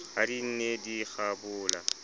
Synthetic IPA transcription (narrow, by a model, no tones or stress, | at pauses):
adin̩nediɣabʊːla